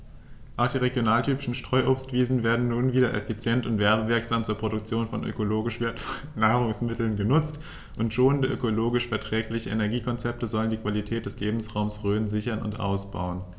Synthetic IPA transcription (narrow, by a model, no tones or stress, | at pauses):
ʔaʊxd̥iːʁeɡjonaːltʰyːpɪʃn̩ʃtʁ̥ɔʏʔoːpstv̥iːzn̩veːɐdn̩nuːnviːdɐʔɛfit͡sjɛntʊntv̥ɛɐbəvɪɐkz̥aːmt͡suːɐpʁ̥oɾʊk̚t͡sjoːnfɔnʔø̰koloːɡɪʃv̥eːɐtfɔlnːaːʁʊŋsmɪtl̩nɡənʊt͡st | ʔʊntʃoːnəndəʔø̰koloːɡɪʃfɛɐtʁ̥ɛːklɪçəʔḛnɛɐɡiːkʰɔnt͡sɛp̚təzɔləndiːkv̥alitʰɛːt̚d̥ɛsleːbm̩sʁaʊmsʁøːnzɪçɐnʊ̰ntʔa̰ʊsb̥a̰ʊən